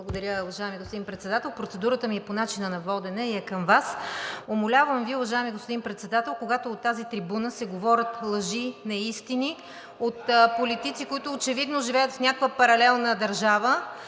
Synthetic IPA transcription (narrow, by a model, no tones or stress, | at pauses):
lˠəɡod̪ɐɾʲəʊvɐʒaɛmiɡospod̪inpɾɛt̪sɛd̪at̪ɛlˠpɾot̪sɛd̪uɾət̪əmiɛponat͡ʃinənɐvɔd̪ɛnɛiɛkəmvasomolʲavəmviʊvɐʒaɛmiɡospod̪inpɾɛt̪sɛd̪at̪ɛlˠkoɡat̪oːt̪ːazit̪ɾibunəsɛɡovɔɾʲət̪lˠəʒinɐist̪ini | ot̪polit̪it̪sikoit̪ʊːt͡ʃɛvid̪noʒivɛjət̪fnʲakəkvəpɐɾɐlɛlˠnəd̪ɐɾʒavə